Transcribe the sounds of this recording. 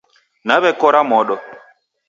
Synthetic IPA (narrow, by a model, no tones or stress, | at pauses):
naβɛkɔɾamɔɗɔ